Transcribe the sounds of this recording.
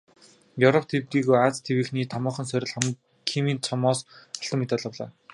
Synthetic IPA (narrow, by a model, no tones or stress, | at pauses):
jɵwɾɔp̚ʰt̪ʰept̪iːɣujat͡st̪ʰewɘ̆ːxniːt̪ʰamɔːχɞ̆nsœɾʲɪ̆ɮχam | kʰimiːnt͡sʰɔmɔːsɔɬt̪ɞ̆mːet̪aːɮə̆wɮa̰ː